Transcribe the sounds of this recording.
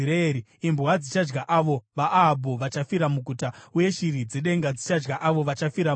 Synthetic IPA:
ɾeɾi | imbwad͡zit͡ʃad͡ʒɡaʔaʋo̞ʋaʔːɦːbʱoʋat͡ʃafiɾamuɡʱutauje̞ʃiɾid͡zeɗe̞ŋɡad͡zit͡ʃad͡ʒɡaʔaʋo̞ʋat͡ʃafiɾa

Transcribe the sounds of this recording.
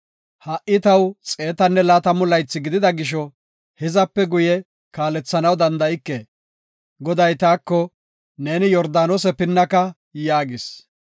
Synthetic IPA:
hɐʔɪt̪ɐwt͡sʼe̞ːt̪ɐnːɛlaːt̪ɐmʊlɐjt͡sːɪɡɪd̪ɪd̪ɐɡɪʃ̬ɔ | hɛzɐpːɛɡʊjɛ | kaːlɛt͡sːɐnɐwd̪ɐnd̪ɐɪkːe | ɡɔd̪ɐjt̪aːkːɔ | ne̞ːnɪjɔɾd̪aːnoːs̬ɛpɪnːɐkɐ | jaːɡɪs

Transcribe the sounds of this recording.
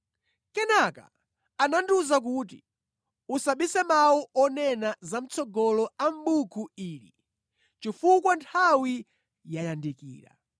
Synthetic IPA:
kɛnaka̰ | ananduzak̬ut̬i | usaɓisɛmawuʔɔnɛnazam̩t͡sɔɡɔlɔam̩ɓukʰuiːlḭ | t͡ʃifukwantʰawi | jajandikḭːɾa̰

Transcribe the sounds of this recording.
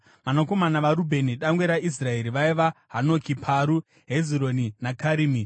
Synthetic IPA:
manoko̞manaʋaɾubʱe̞niɗaŋɡwe̞ɾaʔis̬rae̞ɾiʋaiʋaɦano̞kipʰaɾu | ɦeziɾo̞ninakaɾiːmi

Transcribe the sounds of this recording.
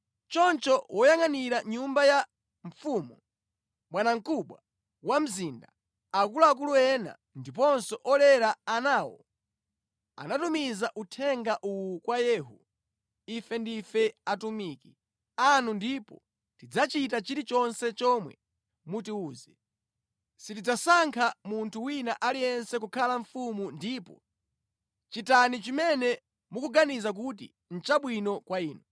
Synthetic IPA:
t͡ʃɔnt͡ʃɔwʔɔjaŋaniɾaɲumbaja | ɱfumu | ɓwanaŋ̩kuɓwa | wam̩zinda | ak̬ulaak̬uluɛna̰ | ndip̬ɔnsɔʔɔlɛɾaanaːwɔ̰ | a̰natumizaʔutʰɛŋɡaʔuwukwajɛːɦu | ifɛndifɛatumiki̥ | anundipɔ̰ | tid͡zat͡ʃit̬at͡ʃiɾit͡ʃɔnsɛt͡ʃɔmwɛ̰ | mutiuːzɛ | sitid͡zasaŋkʰamuntʰuwinaʔalijɛnsɛk̬ukʰalaɱfumundipɔ̰ | t͡ʃitanit͡ʃimɛnɛ | mukuɡanizak̬ut̬ḭ | n̩t͡ʃaɓwinɔkwaiːnu

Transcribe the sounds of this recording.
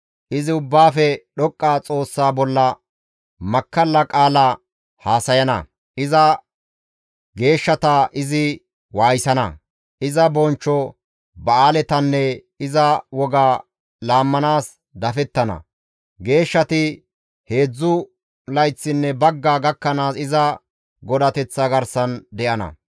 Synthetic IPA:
ʔɪzɪʊbːaːfɛɗɔkʼːaːt͡sʼo̞ːsːaːbɔlːɐ | mɐkːɐlːɐkʼaːlɐ | haːsɐjɐnɐ̰ | ʔɪzɐ | ɡe̞ːʃːɐt̪ɐʔɪzɪ | waːjsɐnɐ̰ | ʔɪzɐbɔnt͡ʃːɔ | bɐaːlɛt̪ɐnːɛ | ɪzɐwɔɡaː | laːmːɐnaːs | d̪ɐfɛt̪ːɐnɐ̰ | ɡe̞ːʃːɐt̪ɪ | he̞ːd͡zːʊ | lɐjt͡sːɪnːɛbɐɡːaːɡɐkːɐnaːsɪzɐ | ɡɔd̪ɐt̪ɛt͡sːɐɡɐɾsɐnd̪ɛʔɐnɐ̰

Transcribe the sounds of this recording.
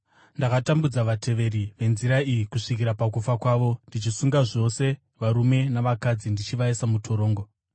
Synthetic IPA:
ndakatambud͡zaʋatʰe̞ʋe̞ɾiʋe̞nziɾaijikuʂikiɾapak̬ufakwaːʋo̞ndit͡ʃisuŋɡaʐo̞se̞ | ʋaɾume̞naʋakad͡zindit͡ʃiʋaesamutʰo̞ɾo̞ːŋɡo

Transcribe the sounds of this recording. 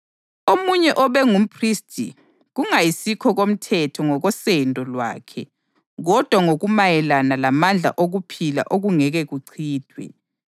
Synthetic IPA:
omuɲɛʔɔβɛŋum̩pʰristʰʼi | ɣuŋajisikʰɔɣom̩tʰɛtʰɔŋɔɣɔsɛndʱɔlwa̰ːkʰɛ | ɣɔd̥ʱwaŋoɣumajɛlanalamand͡ɮʱa̰ʔoɣupʰila̰ʔoɣuŋɛɣɛɣuǀʰiːd̥ʱwɛ̰

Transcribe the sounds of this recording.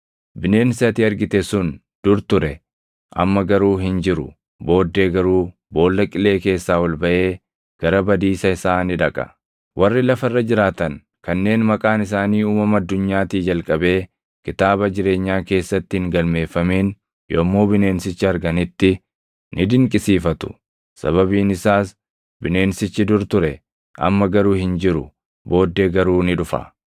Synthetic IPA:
bɪne̞ːnsɪɐt̪iːɐɾɡɪt̪ɛsʊn | d̪̥ʊɾt̪ʊɾɛ | ʔɐ̰mːɐɡɐɾuːɦɪnd͡ʒɪɾʊ | bo̞ːd̪ːe̞ːɡɐɾuː | bo̞ːlːɐkʼɪle̞ːke̞ːsːaːwɐlbɐʔe̞ː | ɡ̥ɐɾɐbɐd̪iːsɐɪsaːnɪᶑɐkʼɐ̥̰ | wʔɐrːɪlɐfɐrːɐd͡ʒɪɾaːt̪ɐŋ | kɐnːe̞ːnmɐkʼaːnɪs̬aːniːuːmɐmɐɐd̪ːʊɲːaːt̪iːd͡ʒɐlkʼɐbe̞ː | kɪt̪aːbɐd͡ʒɪɾe̞ːɲːaːke̞ːsːɐt̪ːɪhɪŋɡɐlme̞ːfːɐmeːn | jomːoːbɪne̞ːnsɪt͡ʃːɪɐɾɡɐnɪt̪ːɪ | nʔɪd̪ɪŋkʼɪsiːfɐt̪ʊ̥̰ | sɐ̰βɐβiːnɪsaːs | bɪne̞ːnsɪt͡ʃːɪd̪ʊɾt̪ʊɾɛ | ʔɐ̰mːɐɡɐɾuːhɪnd͡ʒɪɾʊ̰ | bo̞ːd̪ːeːɡɐɾuːnɪᶑʊfɐ̰

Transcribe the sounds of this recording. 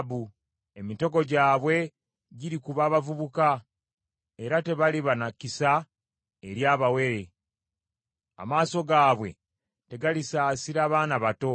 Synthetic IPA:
bu | e̞mito̞ɡo̞ɟaːβwe̞ | ɟiɾikuβaːβavuβuka | e̞ɾate̞βaliβanakisa | e̞ɾjaːβawe̞ɾe̞ | a̰maːso̞ɡaːβwe̞̰ | te̞ɡalisaːsiɾaːβaːnaβato̞

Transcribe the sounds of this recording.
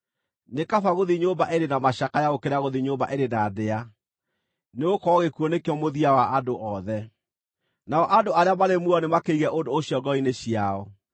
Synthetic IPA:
nekafaɣoðiɲombaʔeɾenamaɕakajaɣokeɾaɣoðiɲomba̰ʔeɾenadea | neokɔɣekuɔnekeɔmoðiawaʔadoʔɔðɛ | naɔʔadoaɾeamaɾemuɔnemakeiɣɛʔondoːɕjɔɡɔineɕjaɔ

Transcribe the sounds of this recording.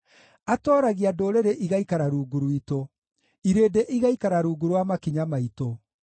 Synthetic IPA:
atɔːɾaɣiadoːɾeɾeʔiɣaikaɾaɾuːɡuɾwito | iɾeːdeʔiɣaikaɾaɾuːɡuɾwamakiɲamaito

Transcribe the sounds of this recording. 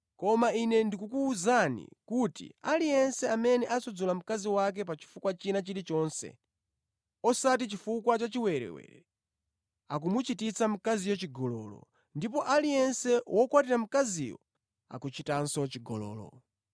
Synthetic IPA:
kɔmainɛndikukuːzanḭkutḭalijɛnsɛamɛnɛʔasɔd͡zɔlam̩kaziwak̬ɛpat͡ʃi̥fukwat͡ʃinat͡ʃiɾit͡ʃɔːnsɛ̰ | ɔsatit͡ʃifukwat͡ʃat͡ʃiwɛɾɛ̰wɛ̰ɾɛ | ak̬umut͡ʃitit͡sʰam̩kazijɔt͡ʃiɡɔlɔ̰ːlɔ̰ | ndip̬ɔʔalijɛnsɛwɔkwatiɾam̩kazḭjɔ̰ | a̰kut͡ʃitansɔt͡ʃiɡɔlɔ̰ːlɔ̰

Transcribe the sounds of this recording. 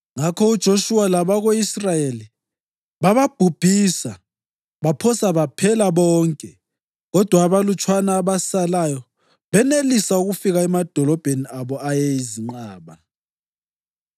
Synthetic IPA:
ŋakʰɔud̥ʒ̥ʱoʃualaβaɣoisrajeli | βaβab̥ʱub̥ʱiːsa | βapʰɔsaβapʰɛlaβɔːŋkʼɛ | ɣɔd̥ʱwaːβalut͡ʃʼwanaːβasalajɔ | βɛnelisauɣufiɣaɛmad̥ʱɔlɔb̥ʱeniaβɔajeiziŋ͡ǃaːβa

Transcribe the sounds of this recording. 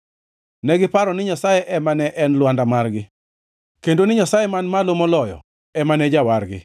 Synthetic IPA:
nɛɡɪpaɾɔnɪɲasajɛʔɛmanɛʔɛnlwandamarɡɪ | kendonɪɲasajɛmanmalomɔlɔjɔ̰ | ɛmanɛd͡ʒawarɡɪ̰

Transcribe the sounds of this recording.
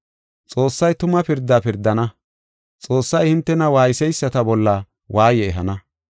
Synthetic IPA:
t͡sʼo̞ːsːɐjt̪ʊmɐpɪɾd̪ːapɪɾd̪ːɐnɐ | t͡sʼo̞ːsːɐjhɪnt̪ːɛnɐwaːjɪsɛjsːɐt̪ɐbɔlːɐ | wʔaːjɛːɦɐ̰nɐ

